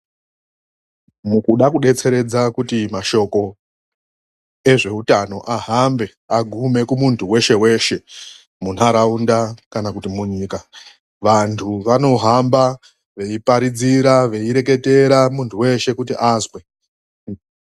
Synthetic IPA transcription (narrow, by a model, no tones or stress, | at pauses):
mukuɗakuɗe̞t͡se̞ɾe̞d͡zakutimaʃo̞ko̞ | e̞ʐe̞utano̞ʔaɦambe̞ | aɡʱume̞kumuntʰuwe̞ʃe̞we̞ʃe̞ | munaɾaundakanakutimuɲika | ʋantʰuʋano̞ɦamba | ʋe̞ipaɾid͡ziɾaʋe̞iɾe̞k̬e̞te̞ɾamuntʰuwe̞ʃe̞kutiʔazwe̞